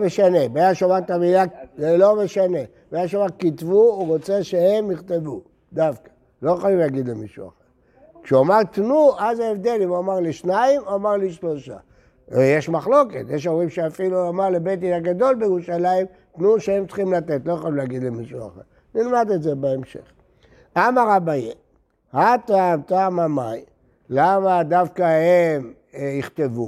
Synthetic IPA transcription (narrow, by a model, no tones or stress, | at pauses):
meʃane̞bejaʃovat̪amilaelo̞meʃane̞ | beajaʃovakit̪vuːʁot͡seʃehe̞mniχt̪e̞vu | d̪afkḁ | lo̞jeχolimlaːɡid̪lemiʃṵa̰χeʁ | kʃeamaʁt̪nuʔazaevd̪e̞limuamaʁliʃnaimoamaʁliʃlo̞ʃa̰ | jeʃmaχlo̞ke̞tjeʃauʁimʃeafiluomaʁlebet̪̬iaɡad̪o̞lbejiʁuʃaleim | t̪nuʃeemt͡sχimlat̪et̪lo̞jaχolimleaɡid̪lemiʃua̰χeʁ | nilmad̪etzebeemʃe̞̰χ | amaʁabaje | hat̪aːmtaːmamaj | lamad̪afkahem | iχt̪e̞vu